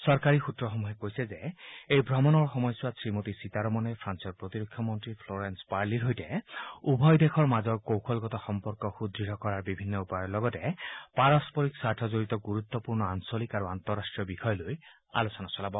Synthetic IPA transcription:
sɔɹkaɹixutɹɔxɔmuɦɛkojsɛzɛejbʱɹɔmɔnɔɹxɔmɔjswasɹimotisitaɹɔmɔnɛpʰɹansɔɹpɹot̪iɾokʰjɔmɔntɹipʰlɔɹɛnspaɹliɹɦojtɛubʱɔjdekʰɔɹmazɔɹkowkʰɔlɡɔtɔxɔmpɔɹkɔxud̪ɹiɾʱɔkɔɹaɹbibʱinːɔupajɔɹlɔɡɔtɛpaɹɔspɔɹiksaɹtʰɔzoɹitɔɡuɹut̪ːɔpuɹnɔansolikaɹuant̪ɔɹastɹijɔbikʰɔjɔloj | a̰losɔnasɔlabɔ

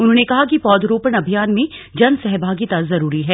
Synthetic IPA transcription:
ʊnɦõːnekɐɦakipɔːd̪ɾoːpəɽ̃ɐbʱijaːnmẽd͡ʒɐnsɛɦbʱaːɡit̪azɐɾuːɾiɦɛː

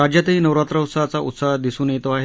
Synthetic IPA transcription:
ad͡ʑjat̪einəwɾat̪ɾəwt̪sat͡saʔṵt̪saɦd̪isuːnet̪oaɦe

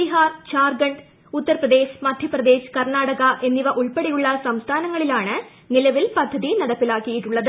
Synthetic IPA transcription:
iɦaːrt͡ɕaːrɡɐɳɖ | ut̪ːɐrprɐðd̪e̞ːɕmɐd̪ʱjɐprɐd̪e̞ːɕkɐrnaːɽɐɣɐʔe̞nːiʋɐʔuɭpeɽijuɭːɐsɐmst̪ʰaːnɐŋːɐɭilaːɳɨ | nilɐʋilpɐd̪ʱːɐðinɐɽɐpːilaːkːijiʈːuɭːɐðɨ

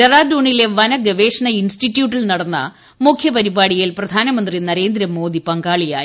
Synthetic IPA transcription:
ɐraːduːɳile̞ʋɐnɐɡɐʋeːʂɐɳɐinsʈitːjuːʈːilnɐɽɐnːɐ̰ | mukʰjɐpɐɾibaːɽijilprɐd̪ʱaːnɐmɐnd̪rinɐɾe̞ːnd̪ɾɐmo̞ːd̪ipɐŋɡaːɭija̰ːj

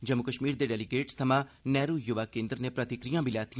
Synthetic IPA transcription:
d͡ʒəmːʊkəʃmiːɾd̪eːɖɛːlɪɡeːʈst̪ʰəmãːnɛːɾuːjʊʋaːkẽːnd̪ɾneːpɾət̪ɪkɾijãːbʱiːlɛːt̪i

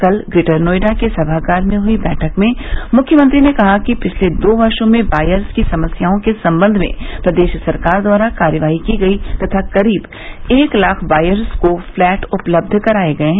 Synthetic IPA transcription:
kɐlɡɾɪʈəɾnoːɪɖakesɐbʱakaːɾmẽɦʊibɛːʈʰəkmẽmʊkʰːjəmə̃nt̪ɾinekɐɦakipɪt͡ʃʰled̪oːbɐɾʃõmẽbaːjəɾskisɐməsjaːõkesɐ̃mbə̃nd̪ʱmḛ̃pɾɐd̪eːʃsɐɾkaːɾd̪waːɾakaːɾjəʋaːɦikiɡɐit̪ɐt̪ʰakɐɾiːb | eːklaːkʰbaːjəɾskoflɛːʈʊpləb̚d̪ʱkɐɾaːeɡɐeɦɛ̃

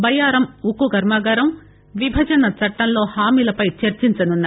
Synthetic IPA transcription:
bɐjaːɾɐmukuɡɐɾmaːɡɐːɾɐm | ʋibʱɐd͡ʒɐnɐt͡ʃɐʈːɐnlo̞ːhaːmiːlɐpɐjt͡ʃɐɾt͡ʃiɲt͡ʃɐnunːa

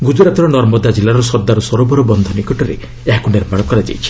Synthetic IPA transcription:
ɡud͡ʒɾat̪ɔɾɔnɔɾmɔd̪ad͡ʒilːaɾɔsɔɾd̪aɾɔsɔɾobɔɾɔbɔnd̪ʱɔnikɔʈɔɾḛ | eɦakuneɾmaɽɔkɔɾad͡ʒa̰jt͡ʃʰi̥

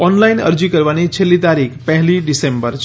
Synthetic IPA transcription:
ɔnlajnʌ̰ɾd͡ʒikəɾʋanit͡ʃʰelːit̪aɾikʰpəɦliɖisembəɾt͡ʃʰ

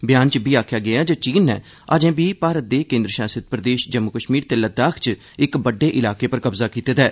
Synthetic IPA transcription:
bjaːnt͡ʃbiːaːkʰjaːɡɪaːd͡ʒəːt͡ʃiːnːɛ̰ː | aːd͡ʒẽːbiːpaːɾət̪̚d̪eːkẽːnd̪ɾəʃaːsɪt̪̚pɾəd̪eːʃd͡ʒəmːʊkəʃmiːɾt̪eːləd̪aːkʰt͡ʃ | ɪkbəɖːeːʔɪlaːkeːpəɾkəbzaːkiːt̪eːd̪ɛː

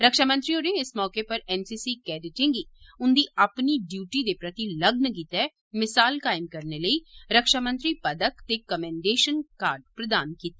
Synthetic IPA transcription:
ɾəkʃaːmə̃nt̪ɾioːneɪsmɔːkepəɾɛːmsiːsiːkɛːɖɪʈɪ̃ŋɡiːʊnd̪iːapniːɖjuːʈiːd̪eːpɾət̪iləɡnkiːt̪ɛː | mɪsaːlkaːɪmkəɾneləiːɾəkʃaːmə̃nt̪ɾiːpəd̪əkt̪eːkəmɛ̃ːɳɖeːʃənkaːɾɖ̚pɾəd̪aːnkiːt̪ɛː

